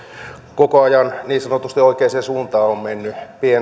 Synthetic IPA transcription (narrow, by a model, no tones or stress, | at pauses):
kokoɑjɑnniːsɑnot̪ust̪ioikeːsesuːnt̪ɑːommenːypien